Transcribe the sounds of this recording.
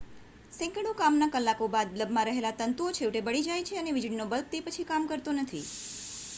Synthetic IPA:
sɛ̃kəɽokamnakəlːakobad̪ləbʱmãɾəɦelat̪ənt̪uot͡ʃʰeʋʈebəɽid͡ʒajt͡ʃʰeəneʋɪd͡ʒɽinobəl̚t̪epət͡ʃʰikamkəɾt̪onət̪ʰi

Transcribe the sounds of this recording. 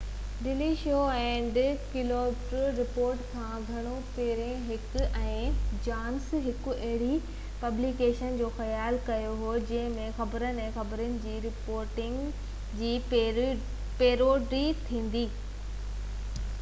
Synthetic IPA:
ɖɪliʃoːɛ̃ːɖɪkɪloːmʈɾəɾɪpoːɾʈkʰãːɡʱɐɽ̃opeːɾẽɦɪkʊɛ̃ːd͡ʑaːnsɦɪkʊ̆ʔɐɦɪɽi | pɐblikeːʃənd͡ʑoːxɐjaːlkɐjoɦoːd͡ʑɐ̃ɦɪ̃mẽxɐbəɾənɪ̆ɛ̃ːxɐbəɾənɪ̆d͡ʑiːɾɪpoːɾʈɪ̃ŋɡ | d͡ʑiː | peːɾoːɖɾiːt̪ʰĩːn̆d̪iː

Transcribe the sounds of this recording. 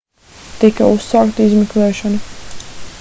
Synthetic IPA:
t̪ikausːaːkt̪izmɛklɛːʃɔnu

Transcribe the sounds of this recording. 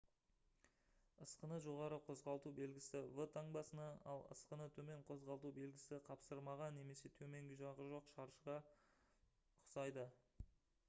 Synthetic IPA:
əsqənəʒo̞ʁɑɾəqʰo̞zʁɑlˠt̪ube̞lɡʲɪsɪvət̪ʰaŋbɑsənɑɑlˠə̰sqənət̪ʰɵme̞ɴqʰo̞zʁɑlˠt̪ube̞lɡʲɪsɪqʰɑpsəɾmɑʁɑne̞me̞se̞t̪ʰɵme̞ŋɡʲɪʒɑʁəʒo̞qʃɑɾʃəʁɑ | ʊʊsɑjd̪ə

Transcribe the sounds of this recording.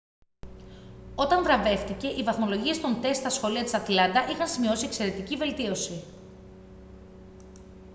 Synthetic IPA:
o̞t̪ɐɱvɾɐve̞ft̪ice̞ʔivɐθmo̞lo̞ʝie̞st̪o̞nt̪e̞st̪t̪ɐsxo̞liɐt̪i̥sɐt̪lɐnd̪ɐʔixɐnsimio̞sie̞kse̞ɾe̞t̪icive̞lt̪io̞si

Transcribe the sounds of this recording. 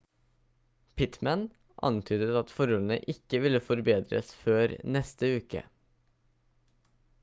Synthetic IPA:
pʰɪt̪mən | ʔɑ̰nt̪ʰyːd̪ət̪ɑt̪fɔɾɔln̩ə̰ʔɪkəʋɪlːəfɔɾbeːd̪ɾə̰sføːɾnɛst̪əʉːkə̰

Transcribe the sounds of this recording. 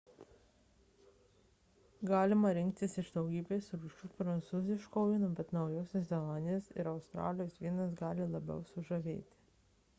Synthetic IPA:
ɡɑːlʲɪmɐɾʲɪŋʲk̚t̪ʲɪsɪʒd̪ɒʊɡʲiːbʲeːsɾuːʃʲuːpɾɐnt̪suːzʲɪʃkoːɪnubʲɛt̪nɒʊjoːsʲɛsʲzʲɛlˠɑːnʲɪjoːsɪ̰ɾɐʊst̪ɾɑ̰ːlʲɪjoːsʋʲiɛnɐs̬ɡɑːlʲɪlˠɐbʲɛ̰ʊsʊʒɐʋʲḛːt̪ʲɪ̥

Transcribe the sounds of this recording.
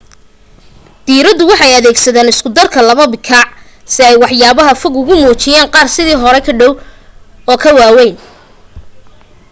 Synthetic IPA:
d̪̥iːɾɐd̪ʊwɑħɑjɐðɛːɡsɐðaːnɪskʊd̪ɐrkʰɐlɐβɐbɪkʰɑʕ | sɪɛjwɑħjaːβɐɦɐfɔɡʊɣʊmuːt͡ʃɪjaːnqɑːrsɪðiːɦɔɾɛkʰɐɖɔw | ɔːkʰɐwaːwɛjn

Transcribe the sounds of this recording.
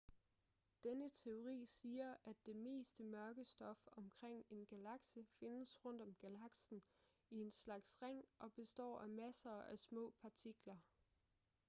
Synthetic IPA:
d̥enət͡sʰe̝o̝ʁḭːsiːɐʔæd̥ːe̝me̝̰ːsd̥əmɶɐɡ̥əsd̥ɒ̽fɒ̽mkʰʁeŋ̰e̝nɡ̥ælɑ̈ɡ̥səfe̝nəsʁɔ̽n̰d̥ɒ̽mɡ̥ælɑ̈ɡ̥sn̩ | ie̝nslɑ̈ɡ̥sʁaŋ̰ʔɒ̽b̥e̝sd̥ɒ̰ːæmæsɐːʔæsmɔ̰̽ːpʰɑ̈t͡sʰiɡ̥lɐ

